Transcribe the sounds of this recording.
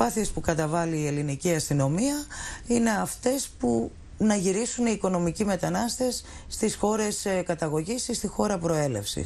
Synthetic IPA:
ɐθie̞spukɐt̪ɐvɐliːe̞liniciɐst̪ino̞miɐine̞ɐft̪e̞spu | nɐʝiɾisuneiko̞no̞micime̞t̪ɐnɐst̪e̞sː | t̪isxo̞ɾe̞skɐt̪ɐɣo̞ʝisist̪ixo̞ɾɐpɾo̞e̞le̞̰fsḭs

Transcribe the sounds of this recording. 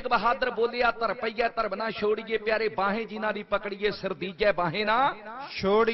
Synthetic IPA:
kbəɦaːd̪əɾboːleːaːt̪əɾpəiːɛːt̪əɾbnãːʃoːɽɪjeːpjaːɾeːbãːɦẽːd͡ʒɪnãːd̪iːpəkɽijeːsɪɾd̪iːd͡ʒɛːbãːɦẽːnãːʃoːɽ

